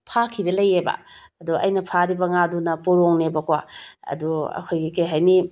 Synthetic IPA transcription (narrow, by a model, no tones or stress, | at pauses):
pʰakʰidɐlɐjebɐ̰ɐduʔɐ̰jnɐpʰaɾibɐŋadunɐpoɾoŋnebɐkwa̰ɐ̰duɐ̰kʰojɡikejɦajni